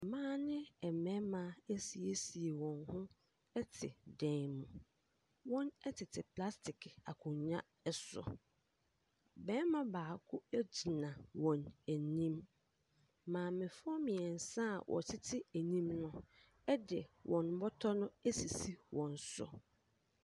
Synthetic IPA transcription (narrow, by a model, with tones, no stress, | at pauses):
mãː˦nɪ̃˦ɛ˨mɛ̃˦mã˨æ˦si˨e˦si˨e˨wɔ̃˨nhʊ̃˦ | ɛ˦tʰɪ̰˨dɛ̃˨mũ˨ | wɔ̃˦nɛ˦tʰɪ˨tʰɪ˨pʰla˦stʰɪ˨kʰa˨kʰʊ̃˨ɲɲã̰˦ | ɛ˦sɔ̰˨ | bɛ̃ː˦mã˦baː˨kʰʊ˦æ˦d͡ʑi˨nã˨wɔ̃˨næ˨nĩ˦m | mãː˨mɪ̃˨fɔ˦mɪ̃˨ɛ˨n̩˨sã̰˦˨wʔɔ̰˨tʰɪ˦tʰɪ˦æ˨nĩ˦mnʊ̃˦ | ɛ˦dɪ˨wʔɔ̃˨n˨˦bɔ˦tʰɔ˦nʊ̃˦æ˦si˨si˦wɔ̃˨n˨sɔ̰˨